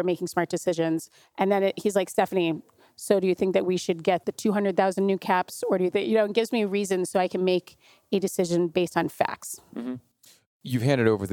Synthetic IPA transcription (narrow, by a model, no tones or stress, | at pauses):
meɪkɪ̃ŋsmɑɹt̚d̥ɨsɪʒɨ̃nz̥ | ʔɨ̃nðɨ̃nhizlaɪkstɛfɨni | soʊɾɨjɨθɪ̃ŋk̚ðɨʔ̚wiʃɨd̚ɡɛt̪̚ðɨtʰʉɦʌ̃ndɹɨd̪̚θaʊzn̩nʉkʰæpsə˞ɾɨjɨθɪ̃jɨnoʊɨt̚ɡ̥ɪvzmiɹizɨ̃nz̥soʊaɪkʰɨ̃n̩meɪk | ɨdɨsɪʒɨ̃nbeɪstn̩fæ̰ks̩ | jɨv̥ɦæ̃ndɨɾoʊvə˞ð